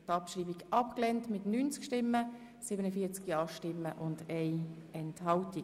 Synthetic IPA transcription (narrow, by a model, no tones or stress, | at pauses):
tɑpʃriːbiɡʔɑpklɛntmɪtnyːnt͡skʃtɪmːə | sɪːbənəfiːɐt͡skjɑːʃtɪmːəʔʊndeɪɛnthɑlti